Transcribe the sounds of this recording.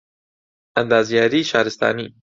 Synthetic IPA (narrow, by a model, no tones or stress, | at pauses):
and̪ɑːzjɑːɾiːʃɑ̰ːɾɪst̪ɑ̰ːniː